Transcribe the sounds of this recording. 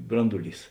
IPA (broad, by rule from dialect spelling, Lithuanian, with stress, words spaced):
ˈbrɐndʊˌlʲiːs